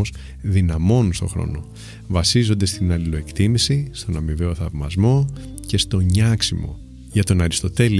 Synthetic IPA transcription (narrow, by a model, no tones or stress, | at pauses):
os | ðinɐmo̞nunst̪o̞xɾo̞̰no | vɐsizo̞nd̪e̞st̪inɐlilo̞e̞kt̪imisist̪o̞nɐmive̞o̞θɐvmɐ̰zmo̞ | ce̞st̪o̞ɲɐksimo̞̰ | ʝɐt̪o̞nɐɾist̪o̞t̪e̞li